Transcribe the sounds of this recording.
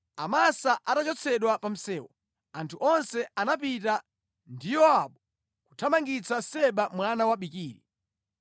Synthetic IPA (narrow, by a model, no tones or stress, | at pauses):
amasaʔatat͡ʃɔt͡sʰɛɗwapam̩sɛːwɔ̰ | antʰuʔɔnsɛanap̬ita | ndijɔaɓɔ | ku̥tʰamaŋɡit͡sʰasɛɓamwanawaɓikiːɾḭ